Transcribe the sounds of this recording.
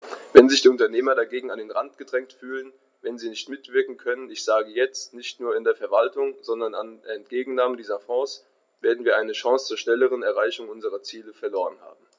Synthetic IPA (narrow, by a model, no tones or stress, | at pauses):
vɛnzɪçd̥iːʊntɐneːmɐɾaɡeːɡŋ̩andeːnʁantɡ̥ədʁɛŋtfyːlən | vɛnziːnɪçtmɪtv̥ɪɐkŋ̩kʰœnənɪçz̥aːɡəjɛt͡stnɪçtnuːɐɪndeːɐfɛɐvaltʊŋz̥ɔndɐnanːɛntɡ̥eːɡŋ̩naːmədiːzɐfɔ̃ːs | v̥eːɐdn̩viːɐʔaɪnəʃɔ̃ŋst͡suːɐʃnɛləʁ̞ənɛɐʁaɪçʊŋʔʊnzəʁɐt͡siːləfɛɐloːʁənha̰ːb̚m̩